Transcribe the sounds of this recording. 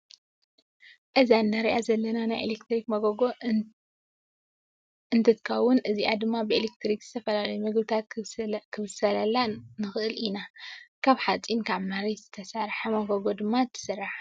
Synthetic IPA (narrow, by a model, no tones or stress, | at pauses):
ʔɨzanːaɾiʔazɐlːɐnanajʔḛlekt̪ɾikmɐɡoɡo | ɨnt̪ʰɐt̪ɨkʰɐwʊnɨziʔad̪ɨmːabɨelekt̪ɾikz̥ɨt̪ʰɐfɐlalɐjumɨɡbɨt̪ʰat̪kʰɨβɨsɐlɐlːanɨxɨʔɨlinakʰaβħat͡sʼinkʰaβnaɾizɨt̪ʰɐsaɾħamɐɡoɡo̞d̪ɨmːat̪ʰːɨ̥sɨrːaħ